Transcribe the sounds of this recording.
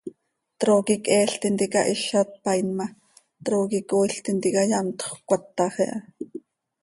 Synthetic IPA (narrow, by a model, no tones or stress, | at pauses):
t̪ɾoːkikɛːɬt̪int̪ikɑʔiɬɑt̪̚pɑjnmɑ | t̪ɾoːkikoːiɬt̪int̪ikɑjɑnt̪χkʷɑt̪ːɑχɛʔɑ